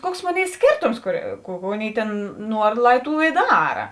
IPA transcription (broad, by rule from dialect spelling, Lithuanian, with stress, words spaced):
ˈkuɔks ˈmoːˌnʲeːɪ ˈsʲkʲeːrtoːms kʊr ˈkuː kʊ ˈɑːˌnʲeːɪ ˈtʲeːn ˈnuɔr ˈlˠɐɪ ˈtuː ɪ ˈdɑːrɐ